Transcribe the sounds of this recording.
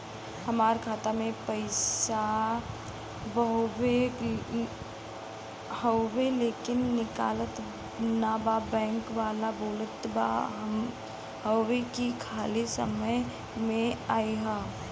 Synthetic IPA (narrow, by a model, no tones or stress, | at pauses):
həmaːɾkʰaːt̪amẽpəɪsa | bəɦbe | həwweleːkɪnːɪkaːlət̪ | nababɛ̃ːŋkʋaːlaboːlət̪ba̰ | ɦəwwekikʰaːlisəməj | mẽaːiɦaː